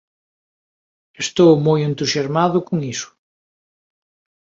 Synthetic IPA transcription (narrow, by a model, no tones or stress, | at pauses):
est̪owmojent̪usjazmaðʊkoŋisʊ̥